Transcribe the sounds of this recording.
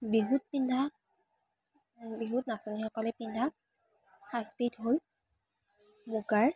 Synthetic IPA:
biɦut̚pindʱa | biɦutnasɔnixɔkɔlɛpindʱa | haspidɦol | muɡaɹ

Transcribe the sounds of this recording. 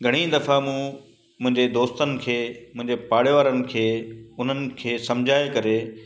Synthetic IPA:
ɡʱɐɽ̃id̪ɐfamũː | mʊ̃ɦɪ̃ɲd͡ʑed̪oːst̪ənɪ̆kʰeːmʊ̃ɪ̃ɲd͡ʑepaːɽjʋaːɾənɪ̆kʰeːʊn̤ənɪ̆kʰeːsɐ̃md͡ʑʱaːekɐɾeː

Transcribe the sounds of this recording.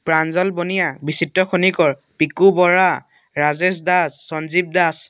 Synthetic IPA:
pɹanzɔlbonijabisitːɔxonikɔɹpikubɔɹa | ɹazes̬dasːɔnzib̚das

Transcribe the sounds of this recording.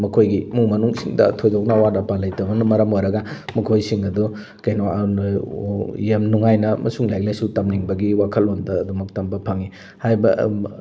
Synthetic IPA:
mɐkʰojɡimuŋmɐnuŋsiŋdɐ̰tʰojzawnawadapalɐjtɐbɐnɐmɐɾɐmojɾɐɡɐmɐkʰojsiŋɐdu | kɐjnown | jemnuŋajnɐmɐ̰suŋlajk̚lajsutɐmniŋbɐɡiwakʰɐlondɐːdumɐk̚tɐmbɐpʰɐŋi | hajbɐ

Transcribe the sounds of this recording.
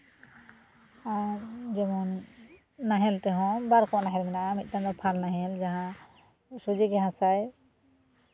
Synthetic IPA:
ad͡ʒɛmɔnː | aɦɛlt̪ɛɦɔ̃baɾkʰɔanaɦɛlmɛnaʔamit̪̚ˀtand̪ɔpʰalnaɦɛld͡ʒaɦã | sud͡ʒɛɡɛɦãsaj

